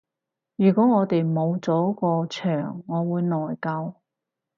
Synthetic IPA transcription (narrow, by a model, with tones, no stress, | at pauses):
jyː˨˩kɔː˨˥ŋɔː˨˧t̪e˨jmo˨˧wt͡sɔː˨˥kɔː˧t͡ʃʰœː˨˩ŋːɔː˨˧wuː˨˧jnɔː˨jkɐ˧w